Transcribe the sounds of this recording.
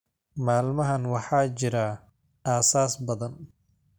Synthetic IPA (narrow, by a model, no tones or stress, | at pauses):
maːlmɐɦɐnwɑħɑːt͡ʃɪɾa | aːsaːsbɐðɐn